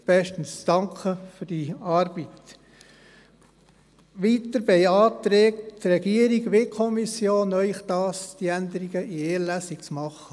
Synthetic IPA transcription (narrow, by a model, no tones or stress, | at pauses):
b̥ɛʃtən̩sd̥ɑŋkʰχəfyd̥iɑːɾb̥it̪ | ʋit̪əɾbɛɪɑːt̪ɾɛːkttrɛɡiəɾiɡʋekʰɔmisjoːnœʏχd̥̪ɑːsd̥̪iænd̪əɾiɡəʔieːlæsikt͡smɑχə